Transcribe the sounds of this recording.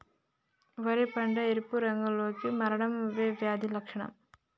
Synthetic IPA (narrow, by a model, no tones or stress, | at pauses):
ʋɐɾɐpɐɳɖɐɛɾɯpːuɾɐŋɡɐɭoːkːɯmɐɾɐɽɐmʋeːʋjaːðilɐkʂɐɳɐ̰m